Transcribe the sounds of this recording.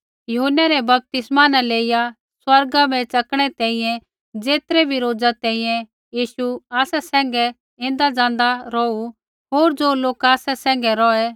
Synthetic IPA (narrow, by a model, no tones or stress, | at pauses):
jʊɦʊnːɛɾɛbɐp̚t̪ɪsmaːnãleːɪja | swɐɾɡabʱɛt͡ʃɐkɽ̃ɛt̪ɛ̃ːĩjɛ̃ | d͡zeːt̪ɾɛbʱiɾoːd͡zat̪ɛ̃ːĩjɛ̃ | jiːʃuaːsɛsɛ̃ːŋ̆ɡɛ | ẽːnd̪ad͡zãːn̆d̪aɾɔu | ɦoːɾd͡zoːloːkaːsɛsɛ̃ːŋɡɛɾɔɛ